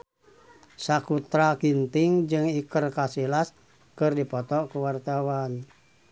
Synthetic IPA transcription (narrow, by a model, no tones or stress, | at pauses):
sakut̪ɾakint̪iŋd͡ʒɨŋikərkasilas | kɨrdipɔt̪ɔkuwart̪awan